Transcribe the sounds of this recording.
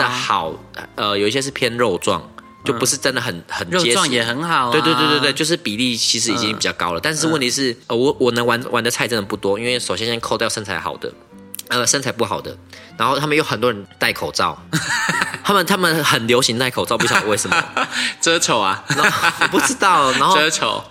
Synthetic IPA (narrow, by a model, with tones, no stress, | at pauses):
d̪ə˨xɑ˨˩ʊə˧˩jo˨˩i˥ɕjɛ˥ʂ̬ɻ̩˥˩pʰjɛ˥nɻo˥˧ʊt͡swɑ̰˥˨ŋ | t͡ɕo˥˩ʊpu˧˦ʂɻ̩˥˩ʈ͡ʂə˥nd̪ə˨xə˨˩nxə˨˩no˥t͡ɕɛ˥˧ŋjɛ˨˩xə˧˦nxɑ˨˩ʊwe˥˧t̪wt̪wt̪wt̪jo˥˧ʊʂɻ̩˥˩pi˨˩li˥˩t͡ɕʰi˧˥ʂ̬ɻ̩˧˥i˨˩t͡ɕi˦ŋpi˨˩t͡ɕɑ˥˩kɑ̰˥ʊlə˨˩t̪a˥˧nʂɻ̩˥˧wə˥˩nt̪ʰi˧ʂɻ̩˥˩ə˩wɔ˨˦wɔ˨˩nə˧˥ŋwa˧˦nwa˧˥nd̪ə˧t͡sʰa˥˩ɪt͡sə˥˩nə˧˩pu˥˩t̪wɔ˦i˥nwe˥˩ɪʂo˨˩ɕjɛ˥nɕjɛ˥nkʰo˥˧ʊt̪jʊʂə˥nt͡sʰa˧˥ɪxɑ̰˨˩ʊd̪ə̰˦ | ə˨˩ʂə˥nt͡sʰa˨˧ɪpu˥˩xɑ˨˩ʊd̪ə̰˦nna˧˥nxo˥˩ʊt̪ʰa˥mə˨jo˥˩ʊxə˨˩nt̪wɔ˥ɻə˧˦nt̪a˥˩ɪkʰo˨˩ʊt͡sɑ̰˥˩ʊ | t̪ʰa˥mə˨nt̪ʰa˥mə˨nxə˨˩nljo˧˥ʊɕi˧˥ŋt̪a˥ɪkʰo˨˩ɑ˥˧ʊpu˥ɕjɑ˨ə˦we˥˩ɪʂə˨˩ə̰˦˩ʈ͡ʂə˥t͡ɕʰo˨˩ʊa˨na˧˥˨pu˥˩ʈ͡ʂɻ̩˦˥t̪ɑ˥˩ʊna˧˥nxo˧˥˧t͡ɕʰo̰˨˦ʊ